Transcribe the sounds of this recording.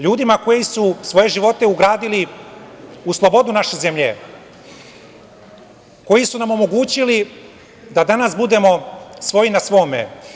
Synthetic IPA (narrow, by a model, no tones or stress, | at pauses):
ʎuːd̪imako̞jisusʋo̞je̞ʒiʋo̞t̪e̞uɡɾaːd̪ili | uslˠo̞bo̞d̪unaʃeze̞mʎḛ | ko̞jisunamo̞mo̞ɡuːt͡ɕili | d̪ad̪anasbud̪e̞mo̞sʋo̞jinasʋo̞ːmḛ